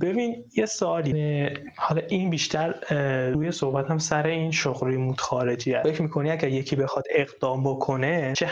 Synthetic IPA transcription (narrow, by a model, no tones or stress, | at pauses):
b̥e̞bin | jesoɒːli | hɒlɒːʔinbiːʃt̪ʰæɾɾuːjeso̞hbæt̪ʰæmsæɾeinʃoɣɾimuːd̪̥xɒːɾe̞d͡ʒiːæfekcʰɾmiːkʰo̞niæɟæɾje̞cʰiːbe̞xɒd̪̥e̞ɣd̪̥ɒːmbokʰo̞net͡ʃʰe